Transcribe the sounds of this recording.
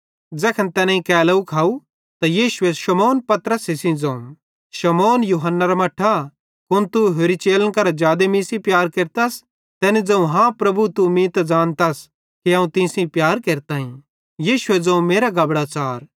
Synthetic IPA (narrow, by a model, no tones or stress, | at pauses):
d͡zɛːkʰɐnt̪ɛːnãĩkɛːlɐukʰaːu | t̪ajiːʃʊeʃɐmoːnpɐt̪ɾəsɪsĩd͡zɐ̃ũm | ʃɐmoːnjuɦənːaɾamɐʈʰːa | kʊnt̪uɦoːɾit͡ʃeːlənkɐɾad͡ʒjaːd̪emĩːsĩpjaːɾkeːɾt̪as | t̪ɛːnĩd͡zɐ̃ũɦãpɾɐbut̪umĩːt̪ad͡zaːnt̪as | kiɐ̃ũt̪ɪ̃ːsĩpjaːɾkeːɾt̪aːɦĩ | jiːʃʊed͡zɐ̃ũmeːɾaɡɐbɽaːt͡ʃaːɾ